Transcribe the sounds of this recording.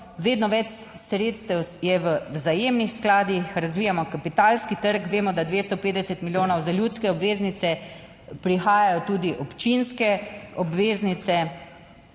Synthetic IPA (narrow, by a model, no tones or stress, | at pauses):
ʋeːd̪nɔʋɛt͡ʃ | sɾeːt̪st̪ɛwjɛʋəzajeːmnixsklaːd̪ixɾazʋiːjamɔkapit̪alskit̪əɾkʋeːmɔd̪ad̪ʋeːst̪ɔpeːd̪d̪ɛsɛt̪miljoːnɔwzaljuːt̪skɛɔbʋeːznit̪sɛ | pɾixaːjajɔt̪uːd̪iʔɔpt͡ʃinskɛɔbʋeːznit̪sɛ